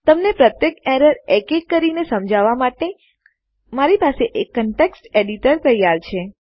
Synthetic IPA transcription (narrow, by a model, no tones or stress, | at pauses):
t̪əmnepɾət̪jekeɾəɾekekːəɾinesəmd͡ʒʱaʋamaʈe | maɾipaseʔekːəɳʈeksʈeɽiʈəɾt̪əjaɾt͡ʃʰe